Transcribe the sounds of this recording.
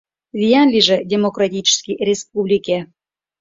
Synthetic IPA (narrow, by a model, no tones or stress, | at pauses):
vʲijɑnlʲiʒĕdʲemokrat̪ʲit͡ɕskʲirʲesp̚ublʲikʲe